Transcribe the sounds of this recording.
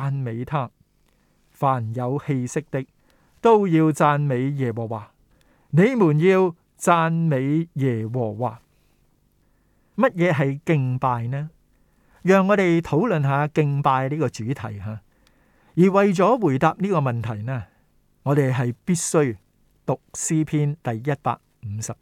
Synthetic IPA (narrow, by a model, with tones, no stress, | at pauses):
aː˧nme˨˧jt̪ʰaː˥ | faː˨˩njɐ˨˧whe˧jsɪ˥k̚t̪ɪ˥k̚ | t̪o˥wjiː˧wt͡saː˧nme˨˧jjɛː˨˩wɔː˨˩waː˨˩ | ne˨˧jmuː˨˩njiː˧w | t͡saː˧nme˨˧jjɛː˨˩wɔː˨˩waː˨˩ | mɐ˥t̚jɛː˨˧ɦɐ˨jkɪ˧ŋpaː˧jnɛː˥ | jœː˨ŋːɔː˨˧t̪e˨jt̪ʰo˨˥wlɵ˨nɦaː˨˧kɪ˧ŋpaː˧jliː˥kɔː˧t͡ʃyː˨˥t̪ʰɐ̰˨˩jɦaː˨˧ | jiː˨˩wɐ˨jt͡sɔː˨˥wuː˨˩jt̪aː˨p̚niː˥kɔː˧mɐ˨nt̪ʰɐ˨˩jnɛː˥ | ŋɔː˨˧ɾe˨jɦɐ˨jpiː˥t̚sɵ˥ɥ | t̪ʊ˨k̚siː˥pʰiː˥nt̪ɐ˨jːɐ˥t̚pa̰ː˧k̚m̩˨˧˥sɐ˨p̚